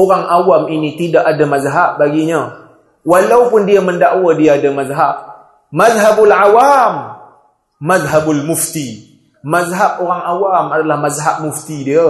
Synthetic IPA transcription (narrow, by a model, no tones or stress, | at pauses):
uɣaŋʔawaminitidaʔadamazɦabbaɡiɲa | walawfəndijaməndaʔawadijadamazɦab̚ | mazɦabulʕawamː | azɦabulmufti | mazɦabuɣaŋawamadalamazɦab̚muftidəja